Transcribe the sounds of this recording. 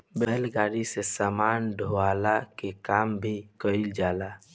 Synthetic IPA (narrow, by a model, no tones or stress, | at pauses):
bɛɦlɡaːɾisesamaːnɖʱoalakekaːmbʱikəɪld͡ʒaːla